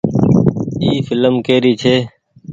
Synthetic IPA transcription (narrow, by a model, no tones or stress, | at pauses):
iːfɪləmkeːɾiːt͡ʃʰeː